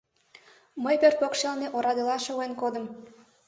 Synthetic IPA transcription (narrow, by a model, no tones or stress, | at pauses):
məjpørpokʃelneʔoɾɑd̪elɑʃeuenkod̪əm